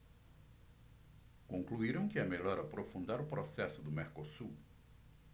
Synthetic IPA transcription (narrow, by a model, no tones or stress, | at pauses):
kõŋkluiɾɐ̃w̃kɪameʎɔɾapɾofũnd̪aɾʊpɾosɛsʊd̪ʊmeɾkosu